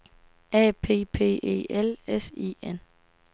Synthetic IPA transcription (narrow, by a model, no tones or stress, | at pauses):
ɛːpʰe̝̰ːpʰe̝̰ːʔe̝̰ːelesḭːen